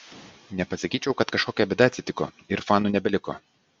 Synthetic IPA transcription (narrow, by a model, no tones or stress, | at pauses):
nʲɛpɐsɐkʲiːt͡ʃʲɛʊkɐt̪kɐʃkoːkʲɛbʲɛd̪ɑt̪sʲɪt̪ʲɪko̰ː | ɪɾfɑːnuːnʲɛbʲɛlʲɪko̰ː